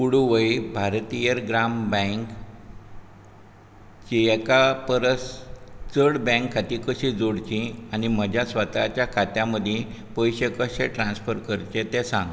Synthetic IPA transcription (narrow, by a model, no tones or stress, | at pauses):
puɽuʋəjibʱaɾt̪ijəɾɡɾambɛ̃ŋk | t͡ɕiɛkapəɾəst͡səɽbɛ̃ŋkʰːat̪ikəɕid͡zoɽt͡ɕĩanim̤əd͡ʑjasʋət̪a̰t͡ɕjakʰat̪jãməd̪ʱẽpəjɕekəɕeʈɾãnsfəɾkəɾt͡ɕet̪ẽsãŋɡ